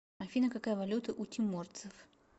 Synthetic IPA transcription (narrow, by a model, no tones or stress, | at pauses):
ɐfʲinəkakajvɐlʲut̪ɨʔutʲimort̪sɨf